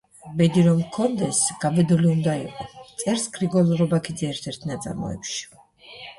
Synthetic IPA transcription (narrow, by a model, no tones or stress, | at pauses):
bɛd̪iɾɔmkʰɔnd̪ɛsɡ̥abɛd̪uliund̪aiqʼɔt̪sʼɛɾskʰɾiɡɔlˠɾɔbakʰid̪zɛːɾt̪ʰɛɾt̪ʰnat̪sʼa̰ɾmɔ̰ɛ̰pʃi̥